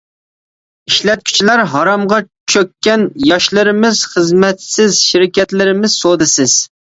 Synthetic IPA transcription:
iʃlɛt̪̚kʲʰy̥t͡ʃʰilæɾɦɑɾɑmʁɑ | t͡ʃʰøkʲːɛnjɑʃlˠɨɾɪmɪz̥χəzmɛt̪sɪzʃiɾɪkʲɛt̪lɪɾɪmɪz̥sod̪ɨsɪz̥

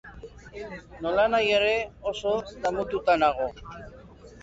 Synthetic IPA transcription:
no̞lanajeɾe̞oso̞ðamut̪ut̪anaɣ̞o̞

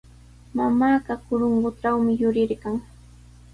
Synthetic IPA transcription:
mamaːɢɑkʊɾoɴɢʊʈ͡ʂawmɪjʊɾɪɾkaŋ

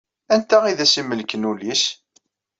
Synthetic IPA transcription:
ænt̪æʁiðæsiməlkənulis

